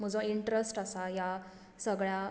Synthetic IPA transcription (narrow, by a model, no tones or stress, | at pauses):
m̤əd͡zə̃iɳʈɾəsʈəsaja | səɡɭja